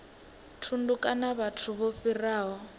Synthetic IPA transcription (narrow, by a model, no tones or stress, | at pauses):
tʰundukʼanaβatʰuβoɸiraːɦɔ